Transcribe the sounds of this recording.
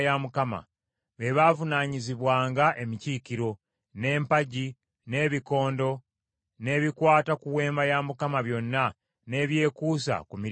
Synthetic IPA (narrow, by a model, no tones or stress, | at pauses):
jamukama̰ | βe̞βaːvunaːɲiziβwaːŋɡaʔe̞miciːkiɾo̞ | ne̞ːmpaɟi | ne̞ːβiko̞ːndo̞ | ne̞ːβikwaːtakuwe̞ːmbajamukamaβjo̞nːa | ne̞ːβje̞ːkuːsa̰kumi